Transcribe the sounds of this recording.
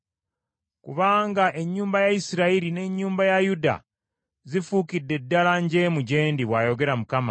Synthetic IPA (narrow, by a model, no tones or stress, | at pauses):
kuβaːŋɡaʔe̞ɲːuːmbajaisiɾaiɾine̞ɲːuːmbajajuda̰ | zifuːkidːe̞dːalaɲɟe̞muɟe̞ːndiβwaːjo̞ɡe̞ɾamukama̰